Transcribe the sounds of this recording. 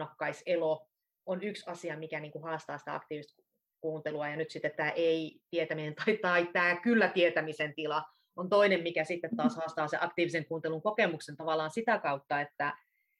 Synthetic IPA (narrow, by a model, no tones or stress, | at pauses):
ɑkːɑiselo | onyksɑsiɑmikæniːŋkuhɑːst̪ɑːsi̥t̪æ̰ɑ̰kt̪iːʋist̪k | kuːnt̪eluɑjɑnyt̪sit̪ːet̪tːæːʔeit̪iet̪æminent̪ɑit̪ɑit̪æːkylːæt̪iet̪æmisent̪ilɑ | ont̪oinemmikæsit̪ːet̪tɑːshɑːst̪ɑːseʔɑkt̪iːʋiseŋkuːnt̪eluŋkokemuksent̪ɑʋɑlːˑɑːnsit̪ækɑut̪ːɑet̪ːæ